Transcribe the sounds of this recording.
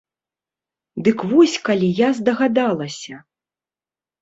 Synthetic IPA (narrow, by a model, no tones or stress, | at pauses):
d̪ɨkvɔsʲkalʲijazd̪ɐɣad̪alˠɐsʲɐ